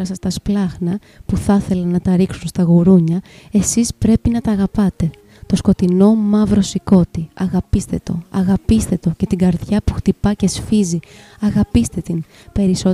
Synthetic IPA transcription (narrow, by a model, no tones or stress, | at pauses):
ɐsɐst̪ɐsplɐxnɐ | puθɐθe̞lɐnɐt̪ɐɾiksunst̪ɐɣuɾuɲɐe̞sispɾe̞pinɐt̪ɐːɣɐpɐt̪e̞ | t̪o̞sko̞t̪ino̞mɐvɾo̞siko̞t̪iɐɣɐpist̪e̞t̪o̞̰ɐɣɐpist̪e̞t̪o̞ce̞t̪iɡɐɾðʝɐpuxt̪ipɐce̞sfizi | ɐɣɐpist̪e̞t̪in | pe̞ɾiso